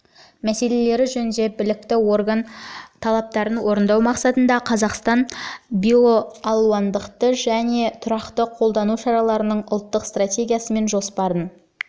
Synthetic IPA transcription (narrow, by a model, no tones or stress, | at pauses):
mæse̞le̞le̞ɾɪʒɵnnd̪e̞bɪlɪk̚t̪ɪwo̞rɡant̪ʰɑlˠɑp̚t̪ɑɾənwo̞ɾənd̪ɑwmɑqsɑt̪ənd̪ɑqʰɑzɑqst̪ɑnbio̞ɑlˠuɑnd̪əqt̪əʒæne̞t̪ʰʊɾɑqt̪əqʰo̞lˠd̪ɑnuʃɑɾɑlˠɑɾənəɴʊlˠt̪ːəqst̪rat̪ʲe̞ɡʲijasəme̞nʒo̞spɑɾən